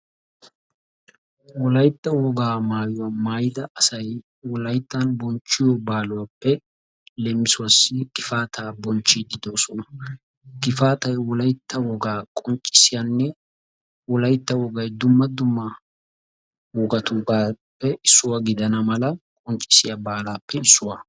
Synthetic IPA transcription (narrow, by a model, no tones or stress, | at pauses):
wɔlɐjt̪ːɐwɔɡaːmaːjʊwɐmaːjɪd̪ɐɐsɐj | wɔlɐjt̪ːɐnbɔnt͡ʃːɪjɔbaːlʊwapːɛ | lɛmːɪsʊwɐsːɪkʼɪfaːt̪ʰaːbɔnt͡ʃːɪd̪ɪd̪oːsɔnɐ | kʼɪfaːt̪ɐjwɔlɐjt̪ːɐwɔɡaːkʼɔnt͡ʃʼːɪ̥sɪjanːɛ | wɔlɐjt̪ːɐwɔɡɐjd̪ʊmːɐd̪ʊmːɐ | wɔɡɐt̪uɡaːpːɛʔɪsːʊwɐɡɪd̪ɐnɐmɐlɐkʼɔnt͡ʃʼɪ̥sɪjabaːlaːpːɛɪsːʊwa